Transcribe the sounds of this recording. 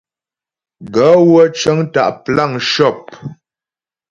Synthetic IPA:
ɡə˨˦wə˦t͡ʃə˦ŋta̰˦˨ʔpla˦˨ŋʃɔ˦˨p̚

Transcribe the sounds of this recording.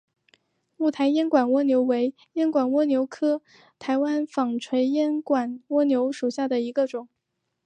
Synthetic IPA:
mu˥˩t̪ʰa˧˥ɪjɛ˥nkwa˨˩nwɔ˥njo˧˥ʊwe˧˥ɪ | jɛ˥nkwa˨˩nwɔ˥njo˧˥ʊkʰɤ˥ | t̪ʰa˧˥ɪwa˥nfɑ˨˩ŋʈ͡ʂʰwe˧˥ɪjɛ˥nkwa˨˩nwɔ˥njo˧˥ʊʂu˨˩ɕja˥˩d̪ə˩i˧˥ɡə˧ʈ͡ʂʊ˨˩˦ŋ

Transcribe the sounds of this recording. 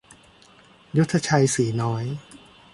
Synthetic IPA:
ju˦˥t̪ʰːa˧t͡ɕʰa˧jsiː˩˦nɔː˦˥j

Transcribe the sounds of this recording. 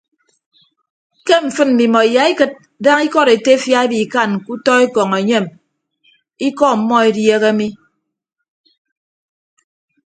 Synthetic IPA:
ke˦m̩˨fɨ˦nm̩˨mi˨mɔ˨e˨ja˨i˦kɨ˦t̚ | da˦ŋi˦kɔ˦ɾe˨te˦fja˦e˦bi˨ka˦˨nku˦tɔ˦e˦kɔ˨ŋe˨ɲe˦˨m | i˦kɔ˦m̩˨˦mːɔ˦e˨dje˦ɣe˦mi˦

